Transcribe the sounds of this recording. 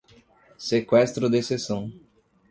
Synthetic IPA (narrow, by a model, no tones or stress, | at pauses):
sekwɛst̪ɾʊd̪esesɐ̃w̃